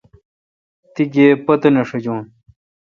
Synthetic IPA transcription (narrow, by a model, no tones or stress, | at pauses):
t̪iɡeːpɐt̪ɐnɐʂɐd͡ʑõːn